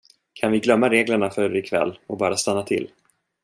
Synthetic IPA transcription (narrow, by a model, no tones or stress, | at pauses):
kʰanvɪɡlœmːaɾeːɡləɳafœɾɪkʰvɛ̰lːɔbɑːɾast̪anːat̪ʰɪ̰lː